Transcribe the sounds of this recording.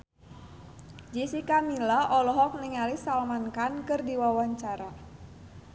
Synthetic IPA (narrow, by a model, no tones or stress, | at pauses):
d͡ʒisikamilaʔɔlɔɦɔk̚niŋalisalmankankɨrdiwawaɲt͡ʃaɾa